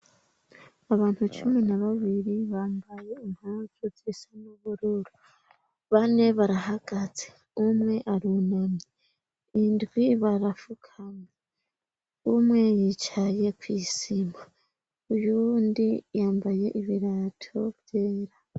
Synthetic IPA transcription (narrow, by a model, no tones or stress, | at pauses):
aβaːn̥hut͡ʃuminaβaβiɾiβaːmbaje̞imhaːzuzisamuβuɾuɾu | βane̞βaɾaɦaɡ̥az̥e | umŋe̞ʔaɾunomeː | ndɡwiβaɾafukʰame | umŋe̞jit͡ʃaje̞kwiːsima | ujundijaːmbaje̞ʔiβiɾatʰobjeːɾa